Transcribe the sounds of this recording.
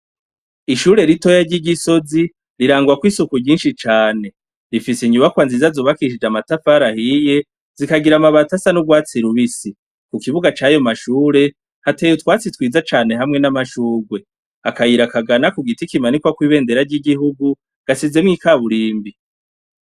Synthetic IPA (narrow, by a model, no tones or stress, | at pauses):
iʃuɾe̞ɾito̞jaɾɟiɟiso̞zi | ɾiɾaːŋɡuakwiːsukuɲiːnʃit͡ʃaːne̞ | ɾifisiɲuβakwaːnzizazoːβakiʃid͡ʒamatafaɾahije̞ | z̥ikaɡiɾamaβatasanuɡwaːt͡siɾuβisi | kukiβuɡat͡ʃaːjo̞maʃuːɾe̞ | hateːjutwaːt͡sitwiːzat͡ʃaːne̞ɦamŋe̞namaʃuːɡwe̞ | akajiɾakaɡanakuɡitikimanikwakwiːβe̞ːnde̞ɾaɾɟiɡiɦuɡu | ɡ̥asize̞mŋiːkaβuɾiːmbi